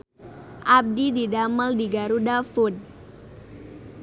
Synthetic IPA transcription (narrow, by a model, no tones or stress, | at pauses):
ʔab̚dididaməldiɡaɾudafud̚